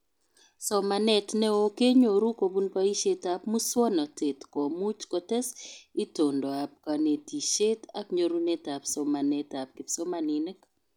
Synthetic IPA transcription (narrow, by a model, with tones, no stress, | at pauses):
sɔ˨ma˨nɛ˨tnɛ˦o˦ke˦ɲo˨ɾu˦ko˨bu˦npa˦i˦ʃe˦tapmu˦swɔ˦nɔ˨te˨tkɔ˨mu˦t͡ʃkɔ˨tɛ˦si˦to˨ndo˨a˨p̚ka˨ne˨ti˨ʃe˦ta˦kɲo˨ɾu˦ne˦ta˨pso˨ma˨nɛ˦ta˨p̚kɪ˨pso˦ma˨ni˨ne˦k